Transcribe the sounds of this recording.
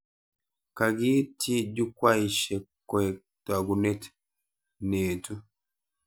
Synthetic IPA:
ka˨ɡi˦tʰi˦d͡ʒu˦kwa˦i˨ʃe˨kɔ˨ɛ˨ | twa˨ɡu˨ne˦t | ne˨tu˦

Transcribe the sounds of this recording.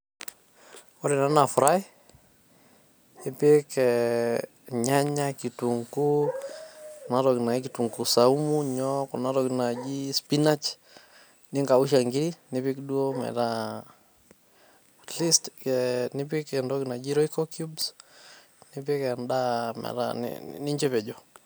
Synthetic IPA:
ɔ˦ɾɪ˨na˦na˨fɾa˦i | ɪ˦pɪ˦kɛ | ɲa˦ɲa˦ki˨tuŋku˦ | na˦ɾɔ˨kna˨ikitu˨ŋɡu˨sa˨umuɲɔkɔna˦tɔ˨kna˨d͡ʒispi˦na˦t͡ʃ | nɪ˦ŋɡa˨u˦ʃ̬a˨ŋɡi˦ɾini˦pɪ˦kdu˦o˦mɛ̰˨ɾa˦ | listkɛni˦p̬ɪ˦kɛndɔ˦kna˨d͡ʒi˦ɾɔ˦ikɔkjubs | nɪpɪ˦kɛnda˦mɛ̰˨ɾa̰n̰nɪ˦ɲd͡ʒɛpɛ˨d͡ʒɔ

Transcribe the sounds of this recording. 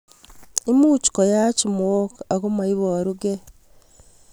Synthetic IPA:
e˦muː˦t͡ʃi̥ko˨jacimo˦ka˨ɣo˦mai˦βoaɾuɡe˦

